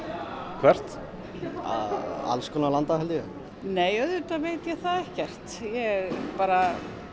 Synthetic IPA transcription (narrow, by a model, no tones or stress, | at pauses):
kʰvɛr̥t̪ | a̰ða̰lskʰɔnalant̪aɦɛlt̪ɪjʏ | neːjœðʏt̪aveːjt̪jɛθaðɛhcɛr̥t̪jɛpaːɾa